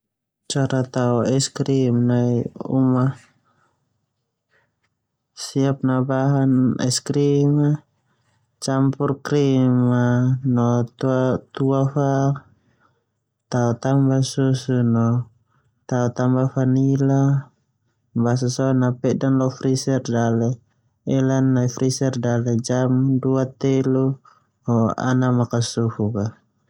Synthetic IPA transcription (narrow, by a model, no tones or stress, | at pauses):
t͡ʃaɾat̪auɛskɾimnaiṵma | siap̚nabaɦanɛ̰skɾima | t͡ʃampurkɾimanɔt̪uat̪uafa | t̪aut̪ambasusunɔ | t̪aut̪ambafanila | bas̬asɔnapɛʔdanlɔfɾisɛrdalɛ | ɛlanːaifɾisɛrdalɛd͡ʒamduat̪ɛlu | hɔa̰namakasufuka